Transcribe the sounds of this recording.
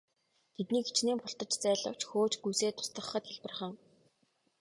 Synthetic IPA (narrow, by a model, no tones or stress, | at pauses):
t̪ʰet̪niːɡet͡ɕneːmpʊɬt̪ɞ̆t͡ɕt͡sæːɮə̰̆w̥t͡ɕxoːt͡ɕɡujseːt̪ʰʊ̥st̪ə̆χːə̆t̪xeɮpɘ̆rχə̆ŋ